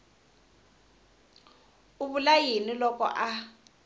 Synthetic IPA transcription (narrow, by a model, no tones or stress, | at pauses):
uβulajinilɔkɔ̰ʔa